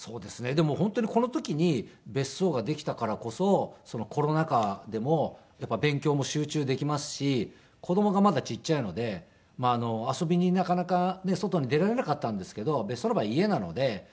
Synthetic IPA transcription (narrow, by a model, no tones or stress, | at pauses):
so̞ːd̪e̞sɨne̞d̪e̞mo̞hõ̞nt̪oɲ̟iko̞no̞t̪o̞kʲiɲ̟ibe̞sːo̞ːɡad̪e̞kʲi̥t̪akaɾako̞so̞so̞no̞kʰo̞ɾo̞nakad̪e̞mo̞ | japːabẽ̞ŋkʲo̞ːmo̞ɕɨːt͡ɕɨːd̪e̞kʲimasɨ̥ɕi | kʰo̞d̪o̞mo̞ɡamad̪at͡ɕit͡ɕːaino̞d̪e̞ | maːno̞aso̞bʲiɲ̟inakanakane̞so̞t̪o̞ɲ̟id̪e̞ɾaɾe̞nakat̪ːãnd̪e̞sɨ̥ke̞d̪o̞be̞sːonobaie̞nano̞̰d̪e̞